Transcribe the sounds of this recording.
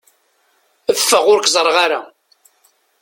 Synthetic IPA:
əfːəʁʊɾkzˤəɾˤʁaɾa̰

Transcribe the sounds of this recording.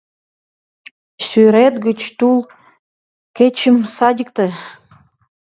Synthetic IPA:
syɾet̪ɡət͡ɕt̪ul | ket͡ɕəmsɑdʲək̚t̪ĕ

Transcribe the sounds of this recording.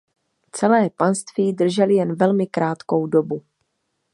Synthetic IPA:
t͡sɛlɛːpanst̪viːdr̩ʒɛlɪjɛnvɛlmɪkɾaːt̪ko̞wdobu

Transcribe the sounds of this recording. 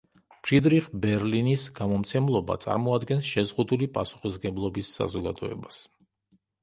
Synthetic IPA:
ʃid̪ɾiχbɛɾlinisɡ̥amɔmt̪sʰɛmlˠɔba̰t̪sʼa̰ɾmɔad̪ɡɛnsʃɛzʁud̪ulipʼasu̥χisɡɛblˠɔbisːa̰zɔɡad̪ɔɛ̰bas

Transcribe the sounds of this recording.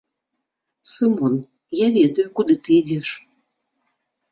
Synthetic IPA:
sɨmɔn | javʲɛd̪ɐjukud̪ɨt̪ɨid͡zʲɛʂ

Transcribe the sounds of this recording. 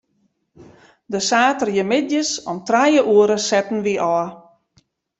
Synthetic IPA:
dəsaːtərjəmɪdjəsɔmtrajəʔuəɾəsɛtn̩ʋiʔɔ

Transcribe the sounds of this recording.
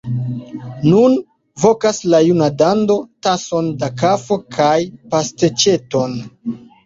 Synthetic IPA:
nun | vo̞kaslajunadando̞taso̞ndakafo̞kʰajpastet͡ʃe̞to̞n

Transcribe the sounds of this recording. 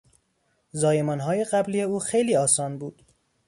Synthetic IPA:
zɒːje̞mɒːnɦɒːje̞ɣæbliːje̞uːxejliːɒːsɒːnbuːd̪̥

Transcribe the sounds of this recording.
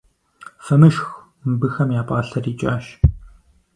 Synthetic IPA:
fɐmɨʃx | mbɨxɐmjaːpʼaːɬɐriːt͡ʃʼaːʃ

